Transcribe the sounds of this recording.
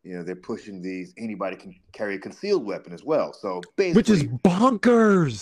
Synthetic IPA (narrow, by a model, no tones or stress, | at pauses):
jɨnoðə˞pʰʊʃɪ̃ŋðizɛñibɑɾikʰn̩kʰɛɹiɨkʰɨ̃n̩silˠd̚wɛpɨ̃nɨzwɛlˠsoʊb̥eɪwɨt͡ʃɨzbɑ̃ŋkə˞z̥